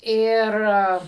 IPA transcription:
ˈɪr

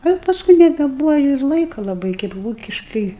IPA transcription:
ɐ pɐˈskʊɪ nʲɛbʲɛˈbuːʋɐ ɪr ˈlˠɐɪkɐ lˠɐˈbɐɪ kɐɪp ˈʋuːkʲɪʃkɨɪ

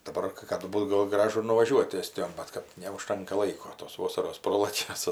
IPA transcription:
dɐˈbɐr kɜ ˈkɑːdʊ ˈbuːt ˈɡoːlˠ ˈɡrɑːʒʊ ɪr nʊʋɐˈʒʲuɔt ˈæːsʲtʲɪjoːn ˈbɐt kɐt nʲɛʊˈʃtɐŋkɐ ˈlˠɐɪkoː toːs ˈʋoːsɐroːs ˈproːlˠɐkʲɛ ˈsʊ

